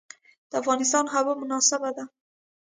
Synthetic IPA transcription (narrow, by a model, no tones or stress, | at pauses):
d̪̥əafɣɑnɪs̬t̪ɑnɦabəmʊnɑsɪbad̪a